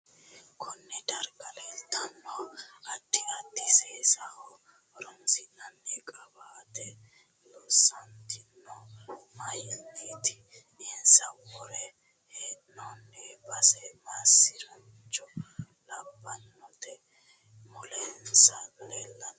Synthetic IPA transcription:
kʰɔnːɛd̪ɐɾɡɐlɛlt̪ːɐnːɔɐt̪ːɪɐt̪ːɪseːsɐhɔ | ɾɔnsɪnːɐnːɛkʼɐbaːt̪ɛ | lɔsːɐnt̪ɪnːɔmɐjɪnːiːt̪ɪ̥ | ɪnsɐwɔɾɛ | heːnɔnːɛbɐsɛmasːɪɾɐn | t͡ʃːɔ | lɐbːɐnːɔt̪ɛ | mɔlɛnsɐlɛlːɐn

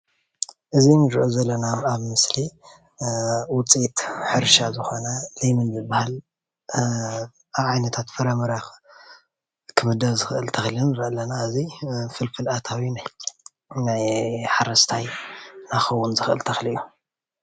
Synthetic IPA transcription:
ʔɨzinɨɾɨʕuzɐlːɐnaaβmɨsli | wʊt͡sʼit̪ħɨɾʃazɨxo̞nɐlejmɨnzɨbahal | aβʕajnɐt̪ʰat̪fɐɾɐmɐɾax | kʰɨmɨd̪ɐβzɨxʔɨlt̪ʰɐxlunɨɾɨʔɐlɐnaɨzifɨlfɨlat̪ʰawinaj | najħaɾɐst̪ʰajnaxɐwːunzɨxʔɨ̰lt̪ʰɐxliju

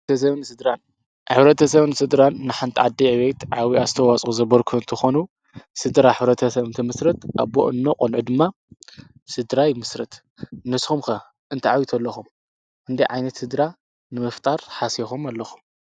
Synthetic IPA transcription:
ɐs̬ɐβnsɨd̪ɾan | ħɨβɾɐt̪ʰɐsɐβnɨsɨd̪ɾanːɨħant̪ʼiʕad̪iʕβet̪ʕawiazɨt̪ʰɐwat͡sʼuzɐβɐɾkʰunt̪ʰɨxonu | sɨd̪ɾaħɨβɾɐt̪ʰɐsɐβɨnt̪ʰɐmɨsɾɐt̪ʔa̰βbo̰ʔɨnːoqʼonʕud̪ɨmːa | sɨd̪ɾajmɨsɾɐt̪ | nɨsxumkɐ | ʔɨnt̪ʰɐʕawit̪ʰɐlːɐxum | ʔɨnd̪ijʕajnɐt̪sɨd̪ɾa | nɨmɨft̪ʼaɾħasixomalːɐxu̥m

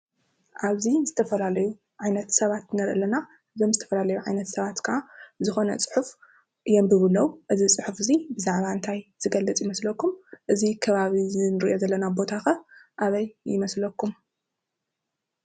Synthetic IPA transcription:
ʔaβzizɨt̪ʰɐfɐlalɐju | ʕajnɐt̪sɐβat̪nɐɾʔɨlɐna | ɨzo̞mzɨt̪ʰɐ̥fɐlalɐjuʕajnɐt̪sɐβat̪kʰɨʔazɨxo̞nɐ̰t͡sʼɨ̥ħuf | ɨjɛmbɨβɨlːɐwʔɨzisʼɨħufɨzibɨzaʕβaɨnt̪ʰajz̥ɨɡɐlːɨt͡sʼjɪmɐslɐkːumʔɨzikʰɐβaβizɨnɨɾiʔo̞zɐlːɐnabo̞t̪ʰaxɐʔaβɐjjɪmɐslɐkʰːum

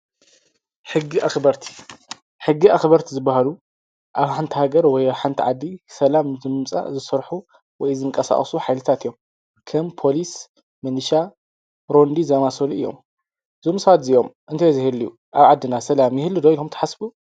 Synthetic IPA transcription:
ħɨɡːiʔaxbɐɾt̪ʰi̥ | ħɨɡːiʔaxβɐɾt̪ʰizɨbːahalu | ʔaβħant̪ʰihaɡɐɾwɔjaβħant̪ʰiʕad̪ːisɐlamzɨmɨmt͡sʼa̰zɨsɐɾħu | wɔjzɨŋkʼɐsa̰χʼsuħajlɨt̪ʰat̪ijom | kʰɐmpʰo̞lis | mɨnʃa | ɾo̞nd̪izɐmasoluʔɨjːo̞̰m | zomsɐβat̪zijo̞mʔɨnt̪ʰajozihɨlːiju | ʔaβʕad̪ːɨnasɐlamjɪhɨlːud̪olumt̪ʰɐħasbu

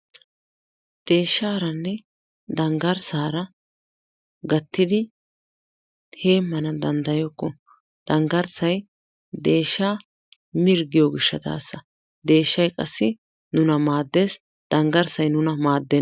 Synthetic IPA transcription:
d̪̥e̞ːʃːaːɾɐnːɛ | d̪ɐŋɡɐɾsaːɾɐ | ɡɐt̪ːɪd̪ɪ | he̞ːmːɐnɐd̪ɐnd̪ɐjɔkːɔ | d̪̥ɐŋɡɐɾsɐj | d̪e̞ːʃːaː | mɪɾɡɪjoɡɪʃːɐt̪a̰ːsːɐ | d̪e̞ːʃːɐjkʼɐsːɪ | nʊnɐmaːd̪ːe̞ːs | d̪̥ɐŋɡɐɾsɐjnʊnɐmaːd̪ːe

